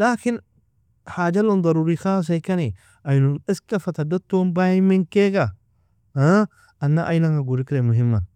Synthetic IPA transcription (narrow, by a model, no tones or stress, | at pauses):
laːkɪn | haːd͡ʒɐlʊnd̪ˤɐɾuːɾixaːs̬ɐjkɐni | ʔɐjnʊnɪskɐfɐt̪ɐd̪ɐt̪ːoːnbajɪmːɪŋkeːɡɐ | ɐnːaʔɐjnɐŋɐɡʊɾɪkɪɾemʊɦɪmːɐ